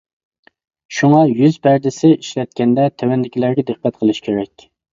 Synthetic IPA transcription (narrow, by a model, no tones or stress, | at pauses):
ʃuŋɑjyzbæɾd̪ɪsɪiʃlɛt̪̚kʲɛnd̪ɛt̪ʰɛwɛnd̪ɪkʲʰilæɾɡʲɛd̪ɨq̚ːæt̪̚qʰəlˠɨʃkʲʰeɾɛkʲ